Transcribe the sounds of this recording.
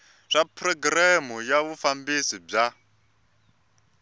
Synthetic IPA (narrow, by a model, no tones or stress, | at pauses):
ʂapʰrɔɡɾamujaβufambisib͡ʐa